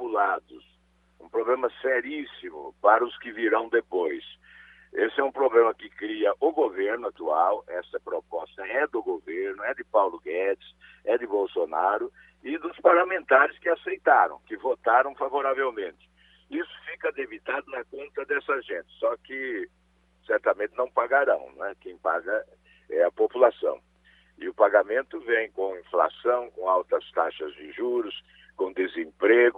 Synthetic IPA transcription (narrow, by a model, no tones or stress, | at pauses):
ulad̪ʊs | ũpɾoblẽmɐsɛɾisimʊ̰paɾɐʊskɪviɾɐ̃w̃d̪epojs | esɪɛũpɾoblẽmɐkɪkɾiɐʔʊɡoveɾnʊat̪uawɛsɐpɾopɔst̪ɐɛd̪ʊɡoveɾnʊɛd̪ɪpawlʊɡɛt̪ɪ̥sɛd̪ɪbowsonaɾʊ | ɪd̪ʊspaɾlamẽnt̪aɾɪskɪasejt̪aɾɐ̰̃w̃kɪvot̪aɾɐ̃w̃favoɾavewmẽnt̪ɪ̥ | isʊ̥fikɐd̪ebit̪ad̪ʊnɐkõnt̪ɐd̪ɛsɐʒẽnt͡ʃ̪ɪ̥sɔkɪ | sɛɾt̪ɐmẽnt̪ɪnɐ̃w̃paɡaɾɐ̰̃w̃nɛkẽj̃pa̰ɡɐ | ɛɐpopulasɐ̰̃w̃ | ɪʊpaɡamẽnt̪ʊvẽj̃kõĩfla̰sɐ̃w̃kõawt̪ɐst̪aʃɐzd͡ʒɪʒuɾʊs | kõd̪ezẽmpɾeɡʊ